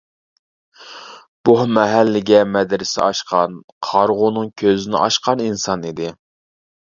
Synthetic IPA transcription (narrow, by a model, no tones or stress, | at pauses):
b̥ohmɛɦælːɪɡʲɛmɛd̪ɾɪsɪ̰ɑʃqɑnqʰɑɾʁʊnɨŋkʲʰøzɪnɪ̰ʔɑʃqɑninsɑnid̪ɪ